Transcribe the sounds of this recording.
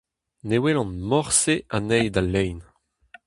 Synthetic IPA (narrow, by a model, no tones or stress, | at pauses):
newelɑ̃nmɔʁseʔanɛjd̪alːɛjn